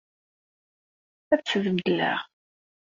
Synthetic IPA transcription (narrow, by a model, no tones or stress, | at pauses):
æt͡sːuðəmd̪əlːæ̰ʁ